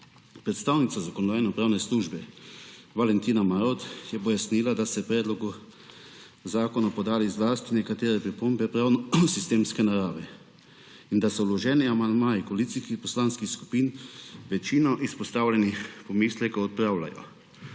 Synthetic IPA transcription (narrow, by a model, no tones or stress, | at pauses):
pɾɛt̪st̪aːwnit̪sazakɔnɔd̪aːjnɛupɾaːwnɛsluːʒbɛ | ʋalɛnt̪iːnamaɾot̪jɛpɔjasniːlad̪asɛpɾɛːd̪lɔɡu | zaːkɔnapɔd̪aːlizlaːst̪inɛkat̪eːɾɛpɾipombɛpɾaːwnɔsist̪eːmskɛnaɾaːʋɛ | ind̪asɔwlɔʒɛːniamand̪maːikɔliːt̪siskixpɔslaːnskixsku̥piːnʋɛt͡ʃinɔʔispɔst̪aːwlʲɛnipɔmiːslɛkɔɔt̪̚pɾawla̰jɔ̰